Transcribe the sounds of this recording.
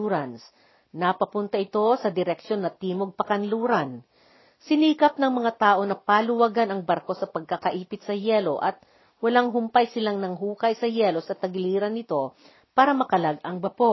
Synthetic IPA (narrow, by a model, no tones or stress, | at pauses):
uːɾans | nɐpɐpʊnt̪ɐʔɪt̪o̞sɐd̪ɪɾɛkʃo̞nːɐt̪iːmoɡ̚pɐkɐnluːɾɐn | sɪniːkɐp̚nɐŋmɐŋat̪aːʔo̞nɐpaːlʊwaɡanɐŋbɐɾko̞sɐpɐɡ̚kɐkɐʔiːpɪt̪sɐjɛlo̞ʔɐt̪̚ | wɐlaŋɦʊmpajsɪlaŋnɐŋɦuːkɐjsɐjɛːlo̞sɐt̪ɐɡliːɾɐnːɪt̪o̞ | paːɾɐmɐkɐlaɡʔɐŋbɐpo